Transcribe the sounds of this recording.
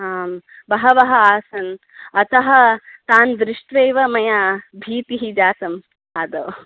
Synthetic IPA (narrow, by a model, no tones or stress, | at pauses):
aːm | bɐɦɐʋɐɦɐaːsɐn | ɐt̪ɐɦɐt̪aːnd̪ɾɪʂʈʋeːʋɐmɐjaːbʱiːt̪iɦid͡ʒaːt̪ɐm | aːd̪ɐː